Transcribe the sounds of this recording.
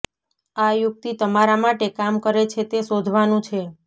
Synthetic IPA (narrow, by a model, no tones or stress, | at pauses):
ajʊk̚t̪it̪əmaɾamaʈekamkəɾet͡ʃʰet̪esod̪ʱʋanũt͡ʃʰe